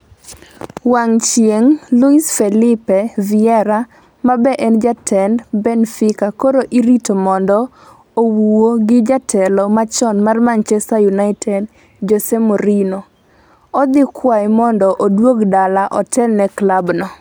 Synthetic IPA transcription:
waŋt͡ʃjeŋluisfɛlɪpɛvɪɛɾa | mabɛʔɛnd͡ʒatʰɛndbɛnfɪkakoɾoʔiɾitomɔndɔ | owuwoɡɪd͡ʒatʰɛlɔmat͡ʃɔnmarmant͡ʃɛsajunaɪtʰɛd | d͡ʒɔsɛmoɾino | ɔd̪ɪkʰwajmɔndɔʔodwoɡdalaʔɔtʰɛlnɛklabnɔ

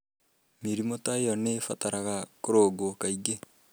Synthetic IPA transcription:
meɾimotaeɔnefataɾaɣakoɾoɡokaiɡe

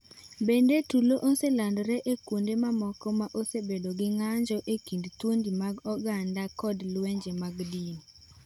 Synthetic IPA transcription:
bendetuloʔoselandɾeʔekwondemamɔkɔmaʔosebedoɡɪŋaɲd͡ʒɔʔekindtwondimaɡɔɡandakɔdlweɲd͡ʒemaɡdin

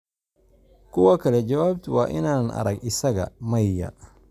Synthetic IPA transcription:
kʰʊwɐkʰɐlɛd͡ʒɐwaːbt̪ʰʊwɑ̰ːʔɪnaːnʔɐ̰ɾɐɡɪsɐɣɐ̰mɐjjɐ̰

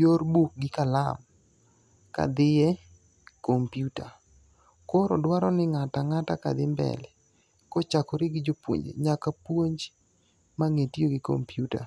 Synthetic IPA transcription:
jorbuk̚ɡɪkala̰m | ka̰d̪ɪjɛ | kompjuta | koɾɔ̰dwaɾɔnɪŋataŋataka̰d̪ɪmbɛ̰lɛ | kɔt͡ʃakɔɾɪɡɪd͡ʒopwo̰ɲd͡ʒḛɲakapwoɲd͡ʒ | maŋetioɡɪko̰mpjuta̰

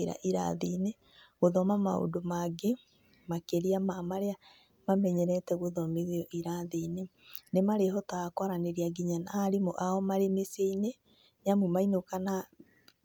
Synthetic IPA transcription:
eɾa̰ʔiɾa̰ðine | ɣoðɔmamao̰domaɡe | makeɾiamamaɾea | mamɛɲɛɾɛtɛɣoðɔmeðeɔʔiɾaðiːne | nemaɾeɦɔtaakwaɾaneɾiaɡiɲanaːɾimoʔaɔmaɾemeseine | ɲamumainokana

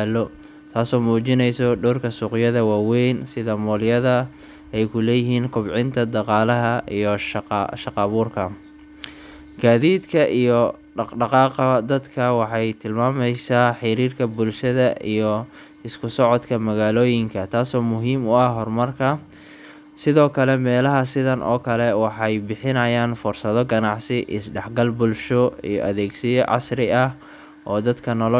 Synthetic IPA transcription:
lɔ | t̪ʰaːsɔːmuːt͡ʃɪnɛjsɔɖɔːrkʰɐsuːqɪjɐðɐwaːwɛjnsɪðɐmɔːljɐðɐ | ɛjkʰʊlɛːjɪɦiːnkʰʊbʕɪnt̪ʰɐd̪ɑqɑːlɐɦɐʔijɔʃʃɑqɑːβʊːrkʰɐ | ɡaːðiːd̪kʰɐʔijɔ | ɖɑɖɑqɑːqɐd̪ɐd̪kʰɐwɑħɑjt̪ʰɪlmaːmɛjsaːħɪɾiːrkʰɐbʊlʃɐðɐʔḭjɔ | ɪskʰʊsɔʕɔd̪kʰɐmɐɣaːlɔːjɪŋkʰɐt̪ʰaːsɔːmʊɦiːmʊɐhɦɔrmɐrkʰɐ | sɪðɔːkʰɐlɛmɛːlɐɦɐsɪðɐnʔɔ̰ːkʰɐlɛwɑħɑjbɪħɪnɐjaːnfʊrsɐðɔɡɐnɑʕsɪʔɪsɖɛħɡɐlbʊlʃɔḭjɔ̰ʔɐðɛːɡsɪjɔʕɑ̰srɪɐh | ʔɔːd̪ɐd̪kʰɐnɔl

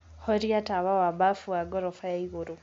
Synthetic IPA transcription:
hoɾjataβawabafuwaɡoɾofajaiɣuɾu

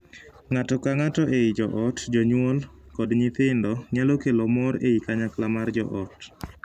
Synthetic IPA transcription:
ŋatɔkaŋatɔʔeid͡ʒɔʔɔtd͡ʒɔɲwolkɔdɲɪt̪ɪndɔɲalokelomɔɾeikaɲaklamard͡ʒɔ̰ʔɔt

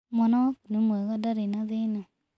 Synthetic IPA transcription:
mɔnɔknemwɛɣadaɾenaðena

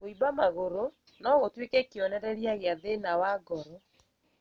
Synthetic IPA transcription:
ɣoibamaɣoɾo | nɔɣotwekɛkeɔnɛɾɛɾjaɣeaðenawaɡɔɾɔ

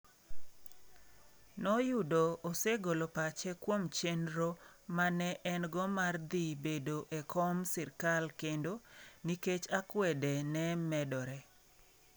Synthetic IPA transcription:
nɔjʊdoːseɡolopat͡ʃɛkwomt͡ʃenɾomanɛʔɛnɡɔmard̪ibedoʔekʰɔmsɪrkalkendoniket͡ʃakwɛdɛnɛmɛdɔɾɛ

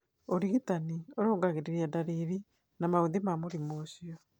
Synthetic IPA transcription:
oɾiɣitanioɾoːɡaɣeɾeɾiadaɾiɾi | namaoðemamoɾimosiɔ

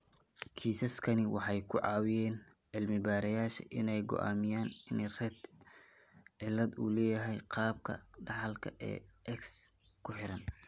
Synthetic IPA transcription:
kʰiːsɐskʰɐnɪwɑħɑjkʰʊʕɑːwɪjɛːn | ʕɪlmɪbaːɾɐjaːʃɐ̰ʔɪnɛjɡɔ̰ʔa̰ːmɪjaːnɪnrɛd̪ | ʕɪlːɐd̪ṵːlɛːjɐɦɛjqɑːb̚kʰɐ̰ɖɑħɑlkʰɐʔɛ̰ːʔɛks | kʰʊħɪɾɐn

